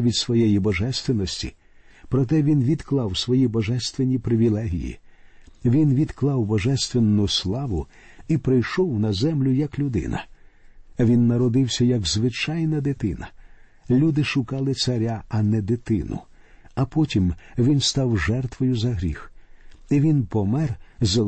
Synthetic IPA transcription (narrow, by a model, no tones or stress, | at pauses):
ʋʲid̪sʋɔjɛjibɔʒɛst̪ʋɪnɔsʲtʲḭ | pɾɔt̪̬ɛʋʲinʋʲid̪klˠɑwsʋɔjibɔʒɛst̪ʋenʲipɾɪʋʲilˠɛɦʲḭjḭ | ʋʲinʋʲid̪klˠɑwbɔʒɛst̪ʋenːʊslˠɑʋʊ | ipɾɪjʃɔwnɐzɛmlʲʊjɐklʲʊd̪ɪ̰nɐ̰ | ʋʲinːɐɾɔd̪ɪwsʲɐjɐɡzʋɪt͡ʃɑjnɐd̪ɪt̪ɪnɐ | lʲud̪ɪʃʊkɑlˠɪsɐɾʲaɐnɛd̪ɪt̪ɪnʊ̰ | ɐpɔtʲimʋʲinst̪ɑwʒɛrt̪ʋɔjʊzɐɦɾʲḭxiʋʲinpɔmɛrz